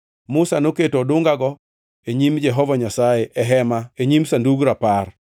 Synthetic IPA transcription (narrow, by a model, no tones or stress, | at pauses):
mʊsanoketodʊŋɡaɡɔ | eɲimd͡ʒɛɦɔvaɲasajeʔɛɦɛmaeɲimsanduɡɾapar